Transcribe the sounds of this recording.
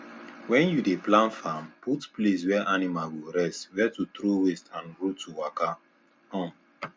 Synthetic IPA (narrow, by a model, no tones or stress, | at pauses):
wɛ̃njudeplãnfamputples̬wɛʔanimalwiɾɛstwɛtutɾowestʰãnɹutuwaka | hɔ̃m